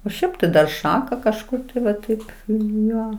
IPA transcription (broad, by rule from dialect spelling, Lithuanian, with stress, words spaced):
oː ˈʃʲɛɪp tɐɪ dɐr ˈʃɑːkɐ kɐʃˈkʊr tɐɪ ʋɐ ˈtɐɪp ˈjoː